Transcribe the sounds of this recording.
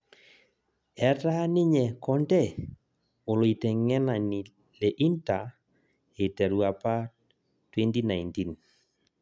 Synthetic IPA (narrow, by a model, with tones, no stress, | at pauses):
ɛ˦ta˦nɪ˦ɲɛ˨kɔ˦ndɛ˦˨ | o˨lo˨i˨tɛ˨ŋɛ˦na˨nɪ˨ | le˨ʔi˦nta˨ | ɪ˨tɛ˨ɾu˨a˨pa˦ | twɛ˦nti˦na˨jnti˦n